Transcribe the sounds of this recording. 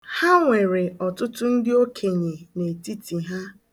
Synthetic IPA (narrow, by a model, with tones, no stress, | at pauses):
ha˦ŋʷe˨ɾe˨ɔ˨tʊ˦tʊ˦n̩˦dɪ˦o˦kʰe˨ɲe˨ne˨ti˦ti˨ɦa˦